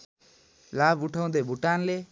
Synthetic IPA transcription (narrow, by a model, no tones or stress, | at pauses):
laːbʊʈʰaʊ̃nd̪ebʱuʈaːnleː